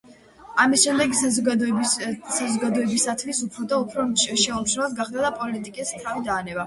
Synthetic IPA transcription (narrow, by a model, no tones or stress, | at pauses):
amisʃɛmd̪ɛɡɔ | sazɔɡad̪ɔɛbisat̪ʰvisupʰɾɔd̪aupʰɾɔʃɛɔmt͡ʃʰnɛvasɡaχd̪ad̪apʼɔlit̪ʼikʼist̪ʰavid̪aːnɛba